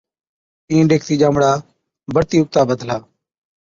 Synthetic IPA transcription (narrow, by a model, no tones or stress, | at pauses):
ĩːɖeːkʰt̪iːʄaːmɽaː | bəɾt̪iːʊk̚t̪aːbəd̪ʱlaː